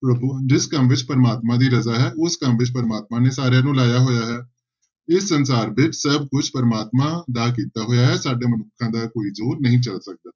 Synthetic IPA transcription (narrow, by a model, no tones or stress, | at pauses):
pɾəbud͡ʒɪskəmʋɪt͡ʃpəɾəmaːt̪mãːd̪iːɾəzaːɦɛːʔʊskəmʋɪt͡ʃpəɾəmaːt̪̚mãːneːsaːɾjãːnũːlaːjaːɦoːjaːɦɛː | ɪsːənsaːɾbɪt͡ʃsəb̚kʊt͡ʃʰpəɾəmaːt̪mãːd̪aːk̬iːt̪aːɦoːjaːɦɛːsaːɖeːmənʊkʰːãːd̪aːkoːiːzoːɾnəɦĩːt͡ʃəlsək̚d̪aː